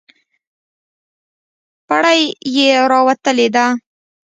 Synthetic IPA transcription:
paɽajjeɾɑwat̪əled̪a

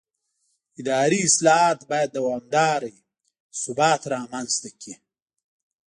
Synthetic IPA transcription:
ɪd̪ɑːɾiɪslɑɦɑːt̪bɑːjad̪ːawɑːmd̪ɑːɾaj | sʊbɑːt̪ɾɑːmanzt̪akʰi

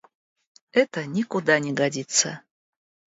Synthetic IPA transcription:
ɛt̪ənʲikud̪anʲiɡadʲit̪sə̰

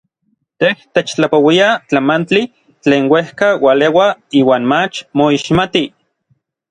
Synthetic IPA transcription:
t̪eht̪et͡ʃt͡ɬapowiat͡ɬamant͡ɬi | t͡ɬeːnwehkawalewaiːwaːnmat͡ʃmoiʃmat̪i

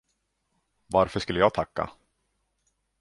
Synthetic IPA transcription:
vaɾfœʂkɵlːəjɑːɡ̚t̪ʰakːa̰

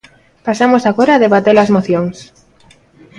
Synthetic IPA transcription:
pasamosaɣoɾaːðeβat̪elɐzmoθjoŋs

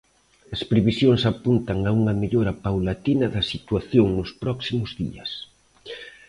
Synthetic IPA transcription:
ɐspɾeβisjoŋsapunt̪ɐŋauŋɐmeʎoɾɐpawlat̪inɐðɐsit̪waθjoŋnʊspɾɔksimʊzðḭɐs

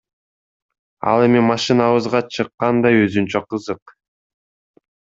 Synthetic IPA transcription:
ɑ̰lˠe̞mimɑʃɨnɑβɯzʁɑt͡ʃʰɯqːɑnd̪ɑjøzynt͡ʃøqʰɯzɯq

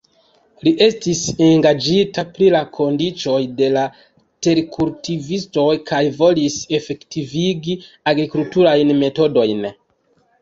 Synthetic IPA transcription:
liʔe̞stiseŋɡad͡ʒitapɾilakʰo̞ndit͡so̞jde̞la | te̞ɾkʰuɾtivisto̞jkʰajvo̞lise̞fe̞ktiviɡi | aɡɾikultuɾajnme̞to̞do̞jn

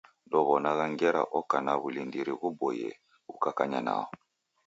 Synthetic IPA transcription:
dɔβɔnaɣaŋɡɛɾa̰ʔɔkanaβulindiɾiβubɔjɛ̰ | ukakaɲana̰ɔ

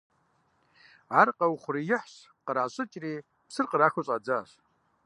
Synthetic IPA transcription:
arqʼawχʷrijɪħʷɕ | qʼəɾʕaɕʷʼɨt͡ʃʼri | psɨrqʼərakʰʊɕʼad͡zaɕʷ

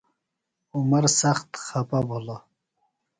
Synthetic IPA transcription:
ʊmaɾsaχt̪xapabolo

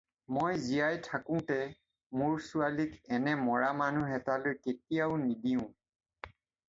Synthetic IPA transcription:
mojzijajtʰakʊ̃tɛ | mʊɹsʊalikɛnɛmɔɹamanuɦɛtalojketijaʊnidiʊ̃

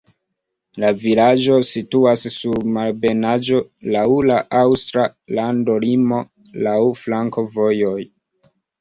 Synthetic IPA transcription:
lavilad͡ʒo̞situasːuɾmalbe̞nad͡ʒo̞lawlaʔawstɾalando̞limo̞ | lawflaŋko̞vo̞joj

